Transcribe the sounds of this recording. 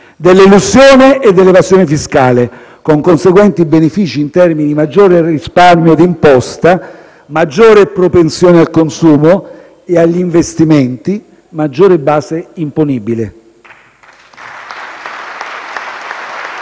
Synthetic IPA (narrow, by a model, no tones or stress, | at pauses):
d̪elːelusjoːneʔːd̪ːelːevazjoːnefiskaːle | koŋkonseɡwɛnt̪ibenefiːt͡ʃiːnt̪ɛrminid̪imad͡ʒːoːɾerisparmjod̪impɔst̪a | mad͡ʒːoːɾepɾopensjoːnealkonsuːmo | eaʎːiɱvest̪iment̪i | mad͡ʒːoːɾebaːseimponibilɪ